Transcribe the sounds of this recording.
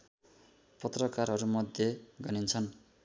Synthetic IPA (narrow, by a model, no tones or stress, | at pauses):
pʌt̪rʌkarɦʌɾumʌd̪ʱjeɡʌnint͡sʰʌn